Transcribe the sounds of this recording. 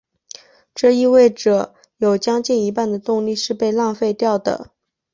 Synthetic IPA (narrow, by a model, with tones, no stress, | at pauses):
ʈ͡ʂɤ˥˧i˥˧we˥˩ɪʈ͡ʂɤ˨˩˦ | jo˨˩ʊt͡ɕjɑ˥ŋt͡ɕi˥˩ni˧˥pa˥˩nd̪ə˩t̪ʊ˥˧ŋli˥˧ʂɻ̩˥˧pe˥˧ɪlɑ˥˧ŋfe˥˧ɪt̪jɑ˥˩ʊd̪ə̰˩